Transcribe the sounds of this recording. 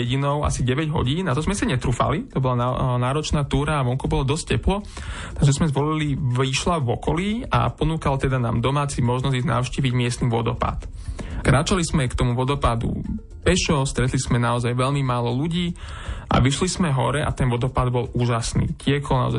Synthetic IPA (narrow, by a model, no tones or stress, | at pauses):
ɛɟinɔʊa̰siɟɛʋɛɟɦɔ̰ɟiːnat̪ɔzmɛsaɲɛt̪ɾuːfa̰lit̪ɔbɔlanaːɾɔt͡ʃnaːt̪uːɾaːʋɔŋkubɔlad̪ɔsc̚cɛplɔ | t̪aɡʒɛzmɛzʋɔliliʋiʃlaʋɔkɔliːa̰pɔnuːkalt̪ɛd̪ana̰ːmd̪ɔmaːt͡simɔʒnɔzizna̰ʊʃciːʋiɟmɪɛst̪niʋɔ̰d̪ɔ̰pa̰t̪ | kɾaːt͡ʃalizmɛkt̪ɔmuʋɔd̪ɔpad̪ṵ | pɛʃɔst̪ɾɛt̪lizmɛnaɔzajʋɛʎmimaːlɔluɟiː | ʔa̰ʋiʃliz̥mɛɦɔ̰ɾɛʔa̰t̪ɛnʋɔd̪ɔpad̪̚bɔluːʒasnḭːcɪɛkɔlna̰ɔ̰zaj